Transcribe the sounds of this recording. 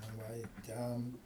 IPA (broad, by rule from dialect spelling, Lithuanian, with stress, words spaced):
nɐ ˈʋɐ ɪ ˈtʲɛn